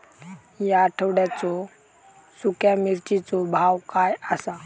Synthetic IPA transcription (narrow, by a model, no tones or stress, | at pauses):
jaʈʰəwɽjat͡sɔ | sukjamiɾt͡ɕit͡sɔbʱawkajasa